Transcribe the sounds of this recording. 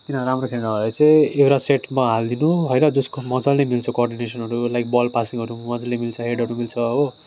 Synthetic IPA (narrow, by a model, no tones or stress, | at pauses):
k̪inʌɾamrokʰeɽɽabʱʌjet͡sʌjewɾaseʈmaɦald̪inuɦʌjnʌd͡zʌskomʌd͡zʌlnemilt͡sʰʌkorɖinesʌnɦʌɾulajk̚bʌlpasiŋɦʌɾumʌd͡zʌlemilt͡sʰʌɦeɽɦʌɾumilt͡sʰʌːbo